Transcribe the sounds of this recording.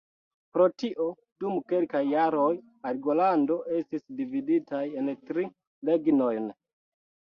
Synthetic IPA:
pɾo̞tiʔo̞ | dumke̞lkajːaɾo̞j | alɡolando̞ʔe̞stisdividitaje̞ntɾi | le̞ɡno̞jn

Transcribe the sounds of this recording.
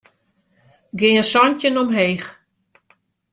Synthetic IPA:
ɡɪəsɔntənɔmɦeːx

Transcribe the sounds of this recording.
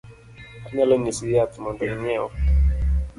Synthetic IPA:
aɲalɔɲisijatumadaiɲɛɔ̰

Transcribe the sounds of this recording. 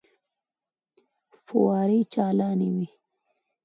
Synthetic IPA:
fuwɑːɾit͡ʃaːlaːniwi

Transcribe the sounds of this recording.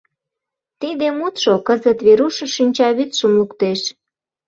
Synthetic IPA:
t̪id̪emut̪ʃokəzət̪βeɾuʃŏʃinʲt͡ɕɑβyt̪ʃəmlukt̪eʃ

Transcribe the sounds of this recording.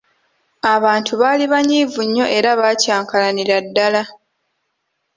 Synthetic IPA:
aβaːntʰuβaːliβaɲiːvuɲːo̞ʔe̞ɾaβacaːŋkalaniɾadːala

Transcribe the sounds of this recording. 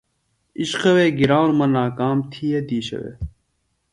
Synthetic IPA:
iɕqɐweːɡiɾaːwnmɐnaːkaːmt̪ʰijed̪iːɕɐ̰ʋḛː

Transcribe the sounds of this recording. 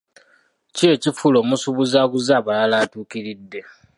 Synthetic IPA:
cie̞cifulo̞musuβuzaːkuzaːβalalaːtuːkiɾidːe̞

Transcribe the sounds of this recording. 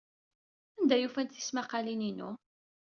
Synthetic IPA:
ænd̪æjufænt̪θi̥smaqːɑlininṵ

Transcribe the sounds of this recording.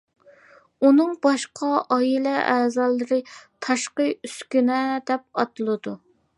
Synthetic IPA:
unɨŋbɑʃqʰɑʔɑilɛʔæːzɑlˠːɨɾɨt̪ʰɑʃqəyskʲynɛd̪ɛp̚ɑt̪ɨlˠɨd̪u

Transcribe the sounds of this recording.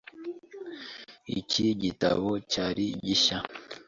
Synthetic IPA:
ḭciɟita̰βocaɾiɟiʃa

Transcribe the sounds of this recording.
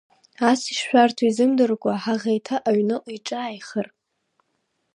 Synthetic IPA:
asiʂʃᶣʷartʰuizɨmdɨrkʷʼaħaʁejtʰaʔaɥnɨʔʈ͡ʂʼaːjχər

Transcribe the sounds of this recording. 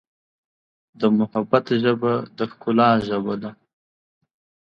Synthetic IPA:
d̪əmʊhabat̪ʒəbad̪əxkʊlɑːʒəbad̪a

